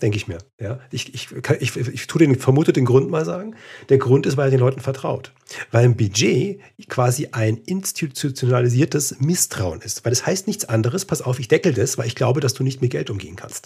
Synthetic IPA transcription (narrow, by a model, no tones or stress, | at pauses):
d̥ɛŋkəɪçmiːɐjaːʔɪçɪçkʰanʔɪçɪçtʰuːdeːnfɛɐmuːtədeːnɡʁʊntmaːlzaːɡŋ̩d̥eːɐɡʁʊntɪstv̥aɪlɛɐdeːnlɔʏtn̩fɛɐtʁ̥a̰ʊt | vaɪlɪmbyd͡ʒeː | kʰv̥aːziʔaɪnʔɪnstʰit͡sʰut͡sjonaliziːɐtəsmɪstʁ̥aʊənɪstv̥aɪlɛshaɪstnɪçt͡sʔandəʁəspʰasʔaʊfɪçd̥ɛkl̩dasv̥aɪlɪçɡ̥laʊbədasd̥uːnɪçtmeɪɐɡɛ̰ltʔʊmɡḛːənkʰa̰nst